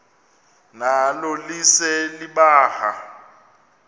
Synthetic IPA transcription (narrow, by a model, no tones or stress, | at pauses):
nalɔlisɛliɓaːha